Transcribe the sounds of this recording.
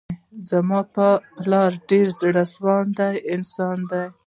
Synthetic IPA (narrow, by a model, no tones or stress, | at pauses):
zamɑpəplɑɾɖeɾzɽaswɑnd̪ajɪnsɑnd̪aj